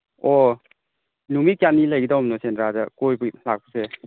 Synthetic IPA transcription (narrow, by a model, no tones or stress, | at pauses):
ɔ | numikjatnːilajɡidawmnɔsenɾazakojbulak̚pɯse